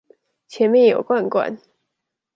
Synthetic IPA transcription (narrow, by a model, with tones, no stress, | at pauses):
t͡ɕʰjɛ˧˥nmjɛ˥˩njo˨˩ʊkwa˥˩nkwa̰˥˩˦n